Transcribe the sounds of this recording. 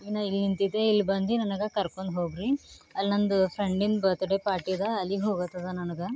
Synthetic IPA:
inɐilnint̪id̪eilːbɐnd̪inɐnɐɡɐkɐɾkoɳɖɦoːɡɾi | ɐlnɐnd̪upʰɾeɳɖinbɐt̪ɐɽepaːɾʈid̪ɐɐlːiɦoːɡɐt̪ːɐd̪ɐnɐnɐɡɐ

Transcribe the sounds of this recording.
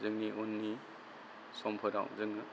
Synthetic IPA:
zɯŋniʔunːi | sɔmpʰɐɾa̰wzɯŋnɯ

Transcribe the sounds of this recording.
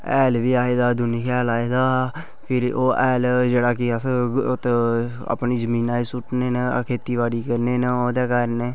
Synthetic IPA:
ɛːlʋiːaːeːd̪aːd̪ʊniːkʰɛːlaːeːd̪aː | pʰɪɾoːʔɛːld͡ʒeːɽaːkɪəsot̪ | a̰ːpniːd͡ʒəmiːnaːiːsʊʈneːnːkʰeːt̪iːʋaːɽiːkəɾneːneoːd̪ɛːkəɾneː

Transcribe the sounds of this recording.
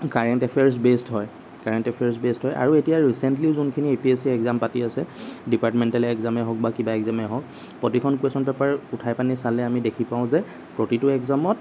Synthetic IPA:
kaɹɛntɛpʰɛɹs̬bestɦɔj | kaɹɛntɛpʰɛɹsbestɦɔjʔa̰ɹuetijaɹisɛntliʊzunkʰiniepiesiɛkzampatiasɛdipaɹtmɛntalɛkzamɛɦɔk̚bakibaɛkzamɛɦɔk̚ | pɔtikʰɔnkwesɔnpɛpaɹutʰajpanisalɛamidekʰipãʊ̃zɛ | pɹotitʊɛkzamɔt̚

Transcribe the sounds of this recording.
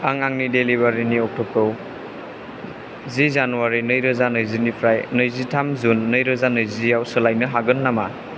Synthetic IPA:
aŋaŋnideliβaɾiniɔk̚tʰɔp̚kɯw | zizanuwaɾinɯjɾɐzanɯjzinipʰɾajnɯjzitʰamzunːɯjɾɐzanɯjzijawsɯlajnɯɦaɡɯnːama

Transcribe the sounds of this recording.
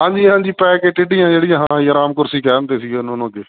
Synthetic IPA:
ɦãːɲd͡ʒiːɦãːɲd͡ʒiːpɛːkeːʈɪɖɪjãːd͡ʒeːɽɪjãːɦãːiəɾaːmkʊɾsiːkɛːɾənt̪eːsiːɡeːʊnonõːɡeː

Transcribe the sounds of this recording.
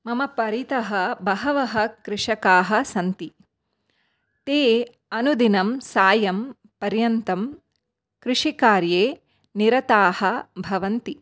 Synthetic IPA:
mɐmɐpɐɾit̪ɐɦɐbɐɦɐʋɐɦɐ̆kɾɪʂɐkaːɦɐ̆sɐnt̪i | t̪eː | ɐnud̪inɐmsaːjɐm | pɐɾjɐnt̪ɐm | kɾɪʂikaːɾjeː | niɾɐt̪aːhɐ̆bʱɐʋɐnt̪i

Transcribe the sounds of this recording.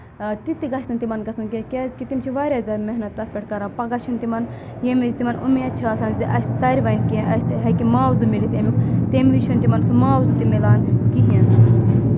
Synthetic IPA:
t̪it̪iɡɐsʲt̪ɐnt̪imɐnɡɐsunkʲekʲeːzkit̪imt͡ʃʰiʋaɾʲɐzʲɐɾmeɦnɐt̪ːɐt̪ʰpʲeʈ̚ʰʲkɐɾapɐɡɐt͡ʃʰunt̪imɐnjemizʲt̪imɐnʔṵmiɐt͡ʃʰaːsɐːnziʔɐsʲt̪ɐɾʲiʋɐjnkẽʔɐsɦɐkimaːwzɨmilit̪emʲikʰt̪emlit͡ʃʰunt̪imɐnsumaːwzɨt̪imilaːnkiɦien

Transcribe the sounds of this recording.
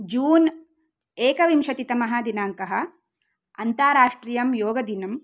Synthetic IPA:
d͡ʒuːn | eːkɐʋimʃɐt̪it̪ɐmɐɦɐ̆d̪inaːŋkɐɦɐ̆ | ɐ̰nt̪aːɾaːʂʈɾiːjɐmjoːɡɐd̪inɐm

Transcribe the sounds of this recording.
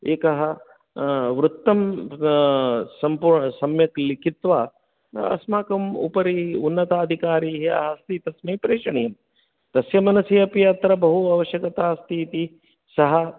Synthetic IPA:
eːkɐɦɐ | ʋɾut̪ːɐm | sɐmpuːɾɳɐsɐmjɐklikit̪ʋaː | ɐ̰smaːkɐmṵpɐɾiunːɐt̪aːd̪ʱikaːɾiːɦiɐ̰ɦɐst̪it̪ɐsmeːpɾeːʂɐɳijɐm | t̪ɐsjɐmɐnɐsijɐpjɐt̪ɾɐbɐɦuɐʋɐʃjɐkɐt̪aːst̪iːt̪i | sɐɦɐ

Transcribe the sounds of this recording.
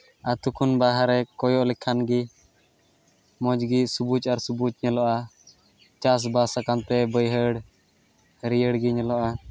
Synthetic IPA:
at̪ukʰunbaɦaɾɛkɔjɔʔlɛkʰanɡi | mɔd͡ʒɡisubut͡ʃaɾsubut͡ʃɲɛlɔʔa | t͡ʃas̬basakant̪ɛbəjɦəɽ | ɾiəɽɡiɲɛlɔʔa

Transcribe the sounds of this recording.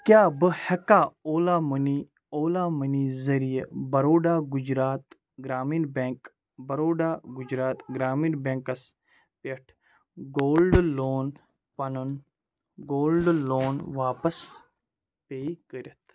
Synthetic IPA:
kʲjaːbɨhɐkaːoːlaːmɐni | oːlaːmɐniːzɐɾijḛbɐɾoːɖaːɡud͡ʒɾaːt̪ | ɡɾaːmiːnbẽːŋk | bɐɾoːɖaːɡʊd͡ʒɾaːt̪ɡɾaːmiːnbeːŋkɐs | peʈʰ | ɡoːlɖloːn | pɐnɐn | ɡoːlɖloːnʋaːpɐs | peːikəɾʲɐt̪ʰ

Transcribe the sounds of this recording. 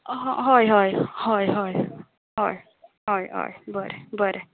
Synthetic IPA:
ɦɦɔjɦɔjhɔjɦɔj | ɦɔj | ɦɔjɦɔ̰jbəɾɛbəɾɛ

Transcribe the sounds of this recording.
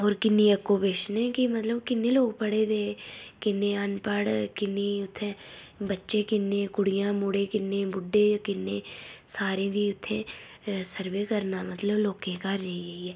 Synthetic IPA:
ɔːɾkɪnːiəkːopeːʃnẽːkimət̪ləbkɪnːeloːɡpəɽed̪eːkɪnːẽənpəɽkɪnːiʊt̪ʰːẽ | bətːʃekɪnːẽkʊɽɪjãːmʊɽekɪnːẽbʊɖːeːkɪnːẽːsaːɾẽd̪iʊt̪ʰːẽ | səɾʋeːkəɾnaːmət̪ləbloːkẽkaɾd͡ʒaːieiɛː

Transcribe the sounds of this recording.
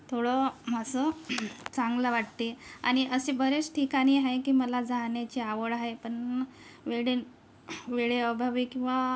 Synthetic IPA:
t̪ʰoɽɔmasət͡sãŋɡlaʋaʈ̚t̪ea̰ɽ̃iʔəsebʱəɾet͡sʈʰikaɽ̃iɦajkiːməlad͡zaɳjat͡ɕeaʋəɽaɦepəɳʋeɽen | ʋeɭeəbʱaʋikĩw̃ʋa

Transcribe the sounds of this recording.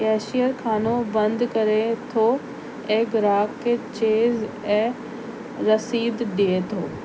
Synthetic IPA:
kɛːʃijəɾkʰaːnobɐ̃nd̪kɐɾet̪ʰoː | eːɡɾaːkkːet͡ɕeːz | ɛ̃ː | ɾɐsiːd̪ɗiet̪ʰoː

